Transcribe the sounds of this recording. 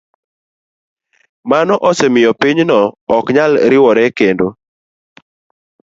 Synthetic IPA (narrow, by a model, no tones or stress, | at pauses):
manɔʔɔsɛmɪjɔpiɲnɔːkɲalɾɪwɔɾɛkendo